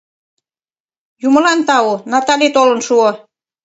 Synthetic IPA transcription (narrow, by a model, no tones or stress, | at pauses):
jumə̆lɑnt̪ɑonɑt̪ɑlet̪olə̆nʃuo